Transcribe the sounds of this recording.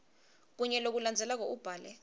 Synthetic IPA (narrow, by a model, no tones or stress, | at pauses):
k̬uɲɛlok̬uland͡zʱɛlak̬ɔʔub̥ʱaːlɛ